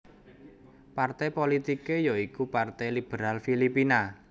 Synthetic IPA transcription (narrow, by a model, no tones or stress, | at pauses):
part̪ɛjpolit̪ikejoikupart̪ɛjlib̥əɾalfilipina